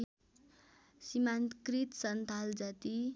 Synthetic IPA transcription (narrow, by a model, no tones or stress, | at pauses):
simankɾit̪sʌnt̪ʰald͡zat̪i